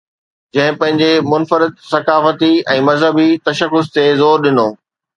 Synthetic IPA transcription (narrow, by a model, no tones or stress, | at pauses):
d͡ʑɐ̃ɦɪ̃pɐ̃ɦɪ̃ɲd͡ʑemʊnfəɾɪd̪̚sɐkaːfət̪iɛ̃ːmɐzɦəbit̪ɐʃəkːʊst̪ezoːɾɗɪnoː